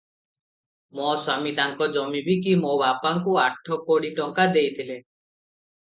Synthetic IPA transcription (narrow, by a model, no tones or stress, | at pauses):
mɔswamit̪aŋkɔd͡ʒɔmibʱik̬imobapaŋkuaʈʰɔkoɽiʈɔŋkad̪ejt̪ʰile